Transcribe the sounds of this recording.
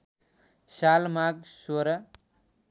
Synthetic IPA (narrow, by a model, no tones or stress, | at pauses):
salmaɡsoɾʌ